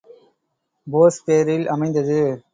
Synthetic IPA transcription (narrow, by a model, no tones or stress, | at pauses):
boːspeːɾɪlʔɐmɐɪnd̪ɐðɯ